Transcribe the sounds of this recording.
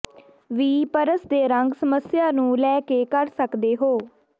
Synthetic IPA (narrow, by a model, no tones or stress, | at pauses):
ʋiːpəɾəsd̪eːɾəŋɡsəməsjaːnũːlɛːkeːkəɾsəkd̪eːɦoː